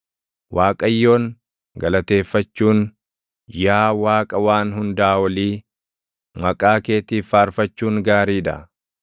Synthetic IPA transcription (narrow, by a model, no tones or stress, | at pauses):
waːkʼɐjːo̞ːŋ | ɡɐlɐt̪e̞ːfːɐt͡ʃːuːŋ | jaːwaːkʼɐwaːnɦʊnd̪ɐaːwɐliː | mɐkʼaːkeːt̪iːfaːɾfɐt͡ʃːuːŋɡaːɾiːd̪ɐ̰